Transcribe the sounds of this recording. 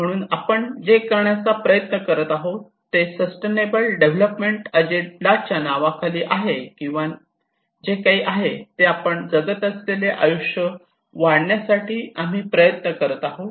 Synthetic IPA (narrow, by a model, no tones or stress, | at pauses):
m̤əɽ̃uːnapəɳd͡ʑekəɾɳjat͡sapɾəjət̪nəkəɾət̪aɦo | t̪ːesəsʈenebəlɖeʋ̤ləpmeɳʈəd͡ʑelat͡ɕanaʋakʰaliːʔaɦekĩw̃ʋa | d͡ʑekaɦiːʔaɦet̪eapəɳd͡zəɡət̪əsleleʔajuʂjə | ʋaɽɳjasaʈiːam̤iːpɾəjət̪nəkəɾət̪aɦot̪